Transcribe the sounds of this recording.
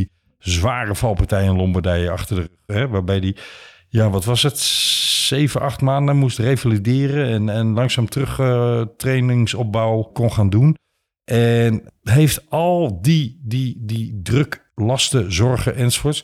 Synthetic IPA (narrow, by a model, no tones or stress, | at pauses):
i | zʋaːrəfɑlˠpartɛjɪnlɔmbərdɛjəɑxtərdərøxɛʋaːɹbɛjdi | jaʋɔtʋɔsətseːvənʔɑχtmaːndəmustrejvalidɪːrəɛnɛnlɑŋsaːmtrøxtrejnɪŋsɔp̚bawkɔnχaːndun | ʔɛnɦejftɔlˠdidididrøk | lɑstəzɔrɣəʔɛnsfʊːts